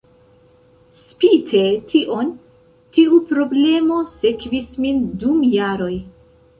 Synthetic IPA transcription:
spitʰe̞tʰiʔo̞n | tiupɾo̞ble̞mo̞se̞kvismindumjaɾo̞j

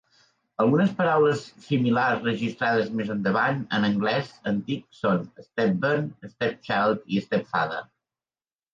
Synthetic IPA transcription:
əlˠɣunəspəɾawləsːimilaɾzrəʒist̪ɾaðəzmezənd̪əβanə̰nəŋɡlɛzənt̪iksonəst̪ɛp̚bənəst̪ɛp̚t͡ʃalˠt̪iəst̪ɛpfa̰ðə̰

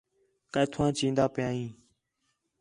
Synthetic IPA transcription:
kajt̪ʰːãːt͡ʃĩːnd̪aːpɪjãːĩː

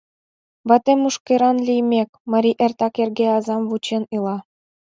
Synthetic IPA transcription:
βɑt̪ʲĕmʲuʃkʲɤɾɑnlʲijmʲekʲmɑɾʲiʔĕrʲt̪ɑkerɡʲeɑzɑmvut͡ɕenɯlˠɑ

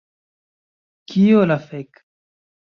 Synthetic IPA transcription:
kʰiolafek

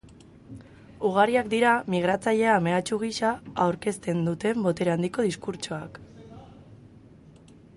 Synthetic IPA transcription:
uɣaɾiakd̪iɾamiɣ̞ɾat͡saʎe̞ame̞at͡ʃuɣ̞iʃaawɾke̞st̪e̞nd̪ut̪e̞mbo̞t̪e̞ɾand̪iko̞ð̞iskuɾt͡ʃoak

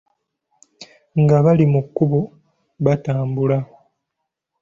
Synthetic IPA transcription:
ŋɡaβalimukːuβu | βataːmbulaho

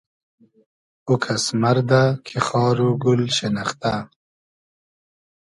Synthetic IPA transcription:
ukʰasmɐɾd̪akʰixɑːɾuɡulɕenɐχt̪a

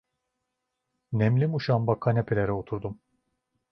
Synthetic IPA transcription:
nɛmlʲimuʃambakʰanepʰelʲeɾɛot̪ʰuɾd̪um

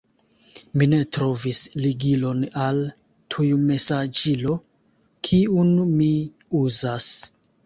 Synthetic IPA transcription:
mine̞tɾo̞visliɡilo̞nal | tʰujume̞sad͡ʒilo̞ | kʰiunmi | uzas

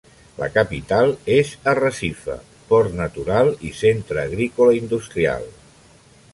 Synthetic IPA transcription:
lə̰kəpit̪alˠezərəsifə̰ | pɔrt̪nət̪uɾalˠisent̪ɾəːɣɾikoləind̪ust̪ɾia̰lˠ

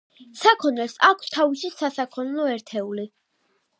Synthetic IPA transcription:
sakʰɔnɛlsakʷʰst̪ʰaviʃisasakʰɔnɛlɔɛɾt̪ʰɛuli

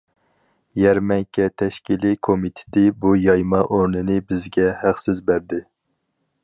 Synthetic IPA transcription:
jæɾmɛŋkʲʰɛt̪ʰɛʃkʲilikʰomit̪ʰɪ̥d̪ɪbujɑjmɑʔoɾnɨnɪbɪzɡʲɛhæχsɪzbæɾd̪ɪ

